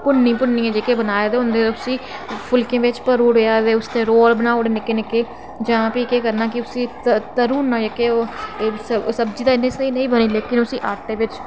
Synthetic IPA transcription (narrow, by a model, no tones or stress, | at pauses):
pʊnːĩːpʊnːĩːɛ̃ːd͡ʒeːkeːbənaːjaːd̪eːɦʊ̃nd̪eːʊsiːpʰʊlkẽːʋɪt͡ʃpəɾuːɽojaːt̪eːʊst̪eːɾoːlbənaːoːɽeːnɪkeːnɪkeː | d͡ʒãːpiːkeːkəɾnaːkɪʊsĩː | t̪əɾuːnːaːd͡ʒeːkeːosəsəbd͡ʒiːd̪aːɪnːẽːsəiːnəĩːbəniːleːkɪnʊsĩːʔaːʈeːʋɪt͡ʃ